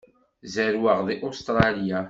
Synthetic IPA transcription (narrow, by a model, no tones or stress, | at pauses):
zəɾwəʁðiʔost̪ɾˤɑlja